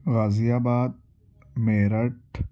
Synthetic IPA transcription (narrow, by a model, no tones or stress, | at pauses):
ɣazijaːbaːd̪̚ | meɾaʈ